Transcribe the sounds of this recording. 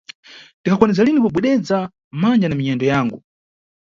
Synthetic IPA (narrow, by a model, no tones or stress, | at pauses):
tikʰakwanɛzalinipubwɛɗɛd͡za | mand͡ʒanamiɲɛndɔjaːŋɡu